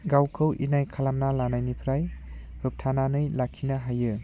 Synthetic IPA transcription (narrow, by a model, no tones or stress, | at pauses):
ɡawkʰɯwʔḭnajkʰalamnalanajnipʰɾaj | hɯp̚tʰananɯjlakʰːinaɦajɯ